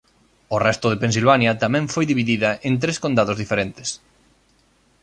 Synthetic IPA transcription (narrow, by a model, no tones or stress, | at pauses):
ʊrɛst̪ʊðepẽns̬ilβanjɐt̪amɛ̃ɱfojðiβiðiðɐʔent̪ɾeskond̪aðozðifeɾent̪ɪ̥s